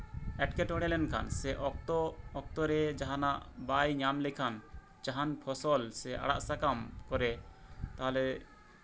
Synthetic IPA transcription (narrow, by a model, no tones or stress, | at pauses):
ɛʈkɛʈɔɽɛlɛnkʰa̰nsɛʔɔt̪ɔɔk̚t̪ɔɾɛd͡ʒaɦanaʔbajɲamlɛkʰan | d͡ʒaɦanpʰɔsɔlsɛa̰ɽa̰ʔsakamkɔɾɛt̪aɦalɛ